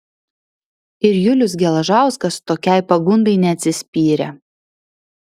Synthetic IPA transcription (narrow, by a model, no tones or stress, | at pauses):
ɪɾjʊlʲʊsɡʲɛlˠɐʒɑˑʊskɐst̪oːkʲɛɪpɐɡʊnd̪ɐɪnʲɛɐt̪ʲsʲɪsʲpʲiːɾʲɛ